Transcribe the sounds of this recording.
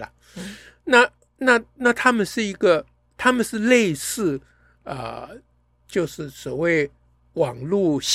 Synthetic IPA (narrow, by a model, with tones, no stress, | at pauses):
ə̰˩ | na˥˧ | na˥˧na˥˩t̪ʰa˥mə˨nʂɻ̩˥˩i˧˥ɡə˨˧ | t̪ʰa˥mə˨nʂɻ̩˥˧le˥˧ɪsɹ̩˥˩ | ə̰˧ | t͡ɕjo˥˧ʊʂɻ̩˥˩swɔ˨˩we˥˩ɪ | wɑ˨˩ŋlu˥˩ɕ